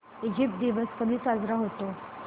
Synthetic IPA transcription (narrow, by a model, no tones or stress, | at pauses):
id͡ʑip̚ʈ̚d̪iʋəskəd̪iːt͡sad͡zɾaɦot̪o